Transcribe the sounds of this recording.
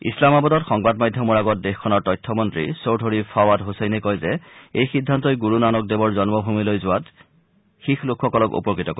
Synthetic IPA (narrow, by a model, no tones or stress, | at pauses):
ḭslamabɔdɔtxɔŋbadmajdʱjɔmɔɹaɡɔt̚dexkʰːɔnaɹtɔjtʰːɔmɔntɹḭsowdʰʱoɹipʰawatɦosɛjnɛkɔjzɛejxidʱːantɔjɡuɹunanɔk̚debɔɹzɔnmɔbʱumilojzʊwat | xixlʊkʰxɔkɔlɔkṵpɔkɹitɔko